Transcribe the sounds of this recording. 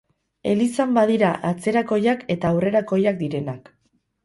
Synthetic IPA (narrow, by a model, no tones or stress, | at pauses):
e̞lisambaðiɾaʔat͡se̞ɾako̞jake̞t̪aːwre̞ɾako̞jak̚d̪iɾe̞nak